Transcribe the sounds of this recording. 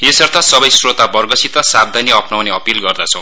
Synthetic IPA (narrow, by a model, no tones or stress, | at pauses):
esʌrt̪ʰʌsʌbʌjsrot̪abʌrɡʌsit̪ʌsab̚d̪ʱaniʌpnawneʌpilɡʌrd̪at͡sʰʌ̃w̃